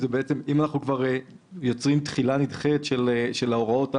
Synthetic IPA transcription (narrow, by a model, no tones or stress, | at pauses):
zebeet͡se̞mimanaχnukvaʁe | jo̞t͡sʁimt̪χilanidχet̪ʃeleʃe̞lao̞ʁao̞ta